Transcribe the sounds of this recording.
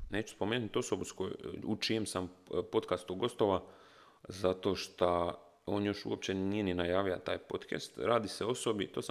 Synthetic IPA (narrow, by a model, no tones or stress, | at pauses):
ne̞ːt͡ʃu̥spo̞meːnut̪o̞so̞buskoj̰ut͡ʃijemsampo̞t̪kast̪uɡo̞st̪o̞ʋa | zat̪o̞ːʃt̪a | o̞ːnjo̞ʃṵop̚t͡ɕenijeninajaːʋija̰t̪aːjpo̞t̪kḛst̪ɾaːd̪iseo̞so̞bit̪o̞ːsa